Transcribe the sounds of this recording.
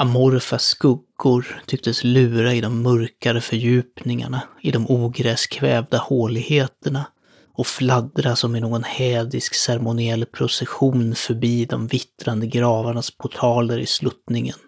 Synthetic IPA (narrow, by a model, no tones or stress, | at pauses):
amɔɾfaskɵɡːʊɾt̪ʰʏk̚t̪əslʉ̟ːɾaɪd̪ɔmːɵɾkaɾəfœɾjʉ̟ːpnɪŋa̰ɳaɪd̪ɔmʔuːɡɾɛskʰvɛːvd̪ahoːlɪɡheːt̪əɳa | ɔflad̪ɾasɔmɪnoːɡɔnhɛːd̪ɪsksɛɾmʊnɪɛlːpʰɾʊsɛɧuːnfœɾbiːd̪ɔmvɪt̪ɾand̪əɡɾɑːvaɳaspʰʊʈʰɑːləɾɪ̰slɵt̪nɪŋə̰n